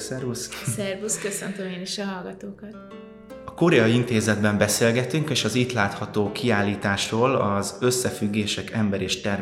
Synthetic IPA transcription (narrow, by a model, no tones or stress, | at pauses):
sɛrvussɛrvuskøsønt̪ømeːniʃɒɦɒlɡɒt̪oːkɒt̪ | ɒkoɾɛɒjiint̪eːzɛd̪bɛmbɛseːlɡɛt̪yŋkeːʃɒziːt̪laːt̪hɒt̪oːkʰiaːlːiːt̪aːʃroːlɒzø̞sːɛfyɡːeːʃɛkɛmbɛɾeːʃt̪ɛr